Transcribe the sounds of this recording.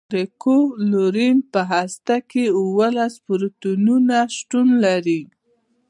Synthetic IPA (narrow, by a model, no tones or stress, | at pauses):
ɾekoloɾimpəɦast̪akeuwəlaspʊɾt̪ununaʃʈunlaɾi